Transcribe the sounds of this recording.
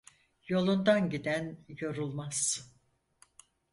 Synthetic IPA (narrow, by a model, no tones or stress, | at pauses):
jo̞lˠund̪anɟid̪ænjo̞ɾulˠmaz̥